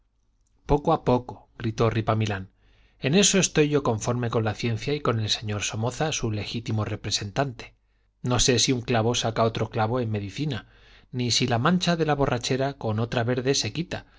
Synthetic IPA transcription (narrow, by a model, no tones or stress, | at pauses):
po̞koapo̞ko̞̥ɣ̥ɾit̪o̞ripamilan | e̞ne̞so̞e̞st̪o̞jʝo̞ko̞ɱfo̞ɾme̞ko̞nlaθje̞nθjaiko̞ne̞lse̞ɲo̞ɾso̞mo̞θasule̞xit̪imo̞re̞pɾe̞se̞nt̪ant̪e̥ | no̞se̞siuŋklaβo̞sakao̞t̪ɾo̞klaβ̞o̞e̞nme̞ðiθina | nisilamãnt͡ʃaðe̞laβ̞o̞rʔat͡ʃe̞ɾako̞no̞t̪ɾaβe̞ɾðe̞se̞kit̪a